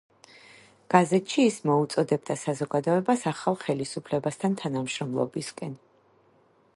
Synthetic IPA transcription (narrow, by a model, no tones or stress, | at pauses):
ɡ̥azɛt̪ʰʃiːsmɔut̪sʼɔd̪ɛbd̪asazɔɡad̪ɔɛbasaχalˠχɛlisupʰlɛbast̪ʰant̪ʰanamʃɾɔmlˠɔ̰biskʼɛn